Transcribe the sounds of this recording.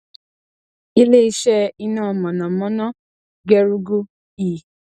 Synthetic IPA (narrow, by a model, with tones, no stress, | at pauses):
i˦le˦i˦ʃɛ˦i˦nãː˦˨mɔ̃˨nã˨mɔ̃˦nɔ̃˦ | ɡɛ˦ɾu˦ɡu˦ | iː˦˨